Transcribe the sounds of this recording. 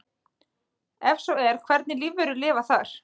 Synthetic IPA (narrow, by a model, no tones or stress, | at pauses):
ɛfsɔɛɾ̥kʰvɛɾt̪nɪlivːʏɾʏlɪːvaθaɾ̥